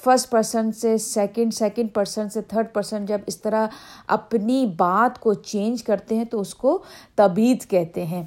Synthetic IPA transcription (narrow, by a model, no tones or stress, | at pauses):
fʰɐɾsʈpɐɾsə̃ɳʈsesɛːkə̃ɳɖsɛːkə̃ɳɖ̚pɐɾsə̃ɳset̪ʰəɾɖpɐɾsə̃ɳʈd͡ʒɐbɪst̪ɐɾaɦɐ̰pnibaːt̪kot͡ʃẽːnd͡ʒkɐɾt̪eɦɛ̃t̪oʊskot̪ɐbiːd̪kɛɦt̪eɦɛ̃ː